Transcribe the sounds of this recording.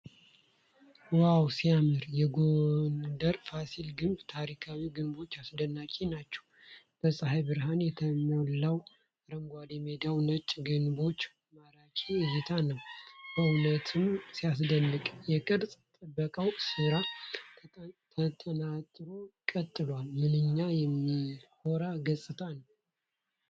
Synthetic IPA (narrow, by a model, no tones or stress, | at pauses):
wawsijamɨɾjɛɡond̪əɾfasilɡɨmbt̪ʰaɾikʰawiɡɨnbo̞t͡ʃːasd̪ənːakʼinat͡ʃːɛ̥w | b̥əsʼɨɦajbɨɾɦanjɛt̪ʰəməlːaw | ɾəŋɡʷad̪emed̪awnət͡ʃʼɡɨnbo̞t͡ʃː | maɾakʼizɨt̪ʰanəwb̥əunət̪ʰɨmsijas̬d̪ənːɨkʼjɛkʼəɾsʼt̪ʼəbːəkʼəwsɨɾa | ət̪ʰʼənat̪ʼɾo̞kʼət̪ʼːɨlwalmɨnɨɲːajɛmːiho̞ɾaɡəsʼɨt̪ʰanəw